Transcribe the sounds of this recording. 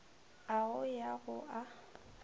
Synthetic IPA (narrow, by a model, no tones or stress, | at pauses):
aʊjaɣʊʔa